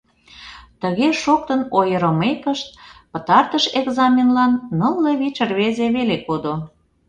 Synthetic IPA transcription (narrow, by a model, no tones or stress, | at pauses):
t̪əɣeʃok̚t̪ənojəɾəmekəʃt̪̚pət̪ɑrt̪əʃeɡzɑmʲenlɑnːəlːeβit͡ɕərβezeβelekod̪o